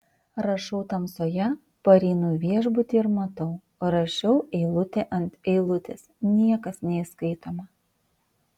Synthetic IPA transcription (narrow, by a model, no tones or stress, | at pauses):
ɾɐʃɒʊt̪ɐmsoːjɛ | pɐɾʲiːnuːʋʲiɛʒbʊt̪ʲiɪɾmɐt̪ɒʊ | ɾɐʃʲɛʊɛɪlˠʊt̪ʲeʔɐnʲt̪ɛɪlˠʊt̪ʲḛsnʲiɛkɐsnʲɛɪskɐɪt̪oːmɐ